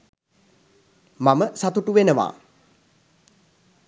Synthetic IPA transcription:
maməsat̪uʈuʋenəʋa̰ː

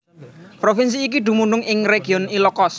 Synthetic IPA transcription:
pɾofins̬iːk̬iɖ̪̥ṳmuɳnɖʊŋɪŋreɡ̥i̤ɔnilɔkɔs

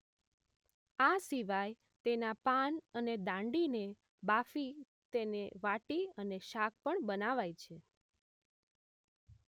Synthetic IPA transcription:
asiʋaj | t̪enapanəned̪ãɳɖine | bafi | t̪eneʋaʈiəneʃak̚ʰpəɳbənaʋajt͡ʃʰe

